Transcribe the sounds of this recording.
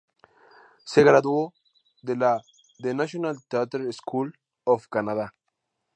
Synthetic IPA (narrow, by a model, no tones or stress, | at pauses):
seɣɾaðuo | ðela | ðenaʃjonalt̪eat̪eɾeskʰul | ofkanaða